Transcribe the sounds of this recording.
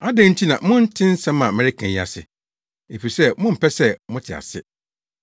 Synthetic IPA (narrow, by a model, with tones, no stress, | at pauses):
a˦dæ̃˨n̩˦tʰi˦nã˨mʊ̃˦n̩˦tʰɪ̃˦n̩˦sɛ̃˦mã˨mɪ̃˦ɾɪ˦kʰɛ̃˨ɲ˦a̰˨sɪ̰˨ | e˨fi˨sɛ˦mʊ̃˦m̩˨pʰɛ˦sɛ˦mʊ̃˦tʰɪ˨a̰˨sɪ̰˦